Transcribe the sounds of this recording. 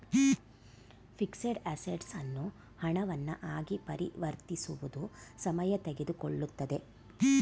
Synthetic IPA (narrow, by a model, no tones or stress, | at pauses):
pʰikseɖæseɖsɐnːu | hɐɳɐʋɐnːɐ̰ʔaːɡipɐɾiʋɐɾt̪isuʋud̪usɐmɐjɐt̪eɡe̞d̪ukoɭːut̪ːɐd̪e̞